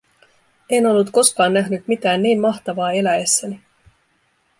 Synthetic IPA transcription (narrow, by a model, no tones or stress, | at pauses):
e̞no̞lːut̪ko̞skɑːnːæɦnyt̪mit̪æːnːiːmmɑxt̪ɑʋɑːe̞læesːæni